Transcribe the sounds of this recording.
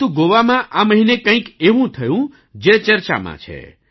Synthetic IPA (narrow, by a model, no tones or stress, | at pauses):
t̪ũɡoʋamãʔaməɦinekə̃ĩkeʋũt̪ʰəjũ | d͡ʒet͡ʃəɾt͡ʃa̰mã̰t͡ʃʰḛ